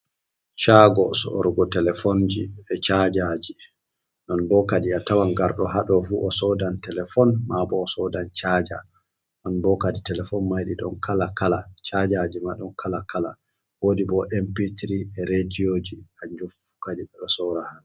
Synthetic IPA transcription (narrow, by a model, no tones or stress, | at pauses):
t͡ʃaɡɔsɔ̰ʔɔ̰ɾɡɔtɛlɛfɔnd͡ʒiɛt͡ʃad͡ʒad͡ʒi | nɔnbɔkaɗiatawanɡaɾɗɔɦaɗɔfuɔsɔdantɛlɛfɔnmabɔːsɔdant͡ʃad͡ʒa̰ | ɗɔnbɔkaditɛlɛfɔnmajɗiɗɔnkʰalakalat͡ʃad͡ʒad͡ʒimaɗɔnkʰalakʰala̰ | woːdibɔʔɛmpitɾiɛɾediod͡ʒikaɲd͡ʒofu̥kaɗiɓɛɓɛsɔɾahan